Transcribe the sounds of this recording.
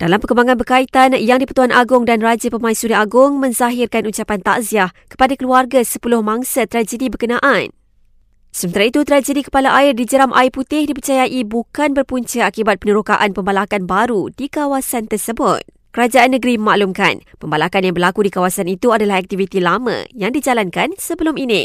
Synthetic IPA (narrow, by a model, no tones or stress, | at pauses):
d̥alampəkəmbaŋanbərkait̪anjaŋdipət̪uanʔaɡʊŋdanrad͡ʒəpəmãisuniaɡʊŋmə̃ɲzaɦɪrkanuɲt͡ʃapant̪a̰ʔziahkə̥padakəluarɡasəpulʊhmãŋsat̪əɾad͡ʒədibərkənãʔan | səmənt̪aɾait̪ut̪əɾad͡ʒədikə̥palaʔaɪrdid͡ʒəɾamʔa̰ɪput̪ɪhdipərt͡ʃajaʔibukanbərpuɲt͡ʃəakibat̪̚pənəɾukaʔanpəmbalakanbaɾudikawasant̪ərsəbʊt̪̚ | kəɾad͡ʒaʔanːəɡɾiməmaʔlumka̰npəmbalakanjaŋbərlakudikawasanit̪uadalaɦak̚t̪ivit̪ilamə̰̃jaŋdid͡ʒalankansəbəlʊminɪ